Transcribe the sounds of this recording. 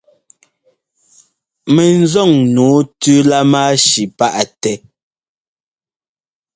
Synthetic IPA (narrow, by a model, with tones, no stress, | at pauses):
me˨n˦zɔ˦˨ŋnuː˨˦tʉ˦la˦maː˦ʃi˨pa˦ʔtɛ˦